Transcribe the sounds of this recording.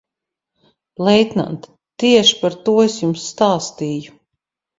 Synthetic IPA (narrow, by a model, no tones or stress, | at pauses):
lˠɛjt̪na̰nt̪ | t̪iɛʃi̥paɾt̪uɔesjumsːt̪aːst̪iːju